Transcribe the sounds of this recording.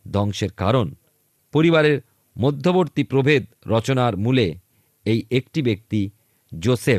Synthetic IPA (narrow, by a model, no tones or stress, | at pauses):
d̪ʱɔŋʃeɾka̰ɾon | poɾiβaɾeɾ | mod̪ʱːoboɾt̪ipɾobʱed̪̚ | ɾɔt͡ɕonaɾmule | ejʔekʈibek̚t̪i | d͡ʑosep